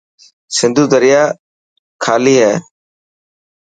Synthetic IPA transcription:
sɪ̃nd̪ʱuːd̪əɾɪjaː | kʰaːliːɦɛː

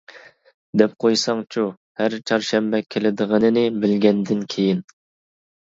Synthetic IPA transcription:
d̪ɛp̚qʰojsɑŋt͡ʃʰu | hæɾt͡ʃʰɑɾʃɛmbɛkʲʰelɪd̪əʁənɨnɪbɪlɡʲɛnd̪ɪnkʲʰejin

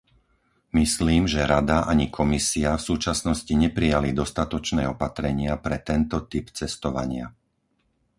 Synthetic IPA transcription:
misliːmʒɛɾad̪aʔaɲikʰɔmisiafsuːt͡ʃasnɔsciɲɛpɾijalid̪ɔst̪at̪ɔt͡ʃnɛːɔpat̪ɾɛɲɪapɾɛt̪ɛnt̪ɔt̪ipt͡sɛst̪ɔʋa̰ɲɪa̰

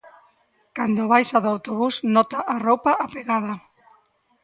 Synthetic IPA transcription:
kand̪oβajsaðoawt̪oβ̞usnɔt̪aʔarowpaʔapeɣaða

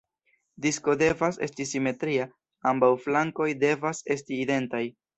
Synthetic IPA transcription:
disko̞de̞vase̞̰stisime̞tɾia | ambawflaŋko̞jde̞vase̞stiːde̞ntaj

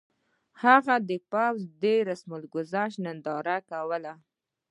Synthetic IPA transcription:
haɣad̪əpawzd̪eɾasməlɡʊzaʃnənd̪ɑɾakawəla

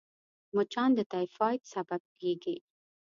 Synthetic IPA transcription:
mot͡ʃɑnd̪ət̪afɑjt̪sabab̚eɡe

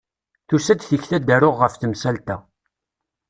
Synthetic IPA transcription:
θusæd̪θiçθæd̪æɾʊʁːəfθəmsælt̪æ

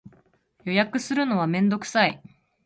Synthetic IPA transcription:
jo̞jakɯ̟sɨɾɯ̟no̞β̞amẽ̞nd̪o̞kɯ̟̥sai

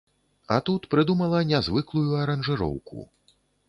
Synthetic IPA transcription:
ɐ̰t̪ut̪pɾɨd̪umɐlˠɐnʲazvɨklˠujuɐɾɐnʐɨɾɔ̰wkṵ

